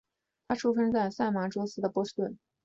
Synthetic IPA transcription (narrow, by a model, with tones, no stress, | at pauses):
t̪ʰa˥ʈ͡ʂʰu˥fə˥nt͡sa˥˧ɪsa˥˩ɪma˧˥ʈ͡ʂwɔ˥sɹ̩˥d̪ə˨pwɔ˥ʂ̩˥t̪wə˥˩n